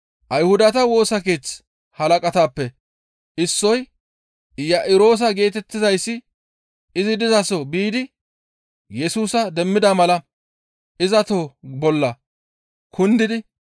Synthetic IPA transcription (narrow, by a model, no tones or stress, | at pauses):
ʔɐjhʊd̪ɐt̪ɐwo̞ːsɐk̬e̞ːt͡s | hɐlɐkʼɐt̪aːpːɛ | ʔɪsːɔj | jɐʔɪɾo̞ːs̬ɐɡe̞ːt̪ɛt̪ːɪzɐjsːɪ | ɪzɪd̪ɪzɐsɔbiːd̪ɪ | jɛsuːsɐd̪ɛmːɪd̪ɐmɐlɐ | ʔɪzɐt̪oːbɔlːɐ | kʰʊnd̪ɪd̪ɪ